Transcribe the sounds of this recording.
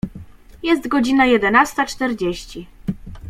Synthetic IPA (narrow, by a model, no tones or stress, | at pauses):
jɛst̪ɡɔd͡ʑinajɛd̪ɛnast̪at͡ʂt̪ɛɾd͡ʑeɕt͡ɕi